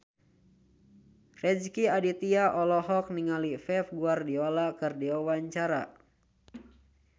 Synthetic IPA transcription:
rɛd͡ʒkiadit̪iaʔɔlɔɦɔk̚niŋalifɛfɡuardiolakɨrdiawaɲt͡ʃaɾa̰

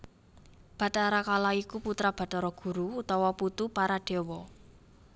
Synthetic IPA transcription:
b̥ä̤t̪aɾakalaikuput̪ɾab̥ä̤t̪ɔɾɔɡ̥ṳɾuut̪awaput̪upaɾaɖ̥e̤wɔ

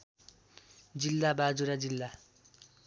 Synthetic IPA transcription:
d͡zilːabad͡zuɾad͡zilːa

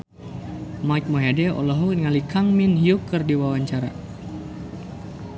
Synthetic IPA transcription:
majk̚moɦedɛɔ̰lɔɦɔk̚nŋalikʰaŋminhjukərdiwawaɲt͡ʃaɾa̰

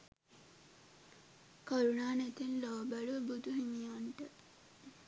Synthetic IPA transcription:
koɾunaːnæt̪enloːbaɭubud̪uɦiɲijanʈə

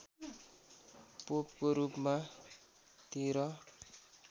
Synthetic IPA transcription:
pop̚koɾupma | t̪iɾʌ

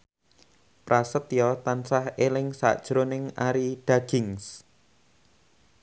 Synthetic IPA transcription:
pɾasət̪jɔt̪ansahelɪŋsa̰ʔd̥ʒ̥ɾonɪŋaɾiɖ̥a̤ɡ̥ɪŋs

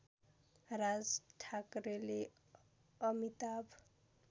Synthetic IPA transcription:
ɾad͡zʈʰakɾele | ʌmit̪ab

